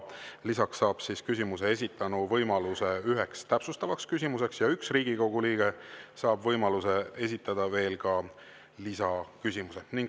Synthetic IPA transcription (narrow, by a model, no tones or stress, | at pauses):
lisɑksːɑːb̥siskysimuse̞e̞sʲit̪ːˑɑnuvɤjmɑluse̞yɦe̞kst̪æpsust̪ɑvɑkskys̬ʲimuse̞ksjɑyksriːɡ̥iko̞ɡ̥uliːɡ̥e̞sɑːbvɤjmɑluse̞e̞s̬ʲit̪ˑːɑd̪̥ɑve̞ːlkɑ | lisɑkysʲimuse̞niŋɡ